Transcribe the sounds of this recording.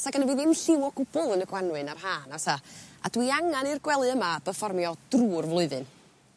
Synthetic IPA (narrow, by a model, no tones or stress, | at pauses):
saɡənəviːðɪmɬɪwɔɡʊbʊlˠənəɡwanwɨnarɦaːnawsaa̰dwiaŋanirɡwɛlˠɨəmab̥əfɔrmjɔd̥ruːrvlˠʊɨðɨn